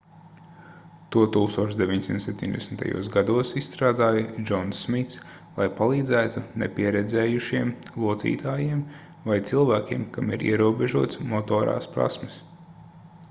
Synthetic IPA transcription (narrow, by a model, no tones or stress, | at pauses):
t̪uɔt̪uːkst̪uɔt͡ʃzd̪evʲiɲtsimt̪sep̚ʲt̪ʲiɲʲd̪ɛsn̩t̪a̰jṵɔsɡad̪uɔsisst̪ɾaːd̪aːjɐd͡ʒɔnsːmit̪s | lˠajpalˠiːd̪zæːt̪unɛ̰piɛɾɛd̪zɛːjuʃiɛmlˠuɔt̪sḭːt̪aːjim | vajt̪silˠvæːkʲiɛmkamḭɾʔḭɛɾuɔbeʒuɔt̪smɔt̪ɔːɾa̰ːspɾa̰smɪs